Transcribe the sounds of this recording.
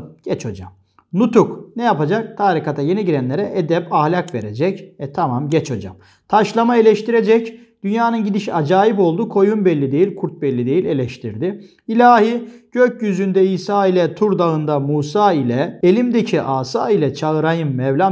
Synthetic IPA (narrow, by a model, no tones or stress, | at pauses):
ɟ̥ɛt͡ʃʰo̰d͡ʒa̰m | nut̪ʰuknɛjapad͡ʒak̚t̪ʰaːɾikat̪ʰaje̞nɛɟiɾɛnlʲe̞ɾɛʔed̪ɛpahlʲakve̞̰ɾed͡ʒɛcvɛt̪ʰamamɟɛt͡ʃʰo̰d͡ʒa̰m | t̪ʰaʃlˠamae̞lʲɛʃt̪ʰiɾed͡ʒɛc | d̪̥ynjaːnɯnɟid̪iʃiad͡ʒaːjipo̞lˠd̪ukʰo̞junbɛlʲːid̪e̞jilʲkʰuɾt̪̚bɛlʲːid̪e̞jilʲe̞lʲɛʃt̪ʰiɾd̪ɪ | ilʲaːhiɟ̥øcjyzynd̪ɛisaːilʲɛt̪ʰuɾd̪aɯnd̪amuːsaːilʲɛelʲimd̪ecʰiʔaːsa̰ːilʲɛt͡ʃʰaɯɾajɯmːɛvlʲa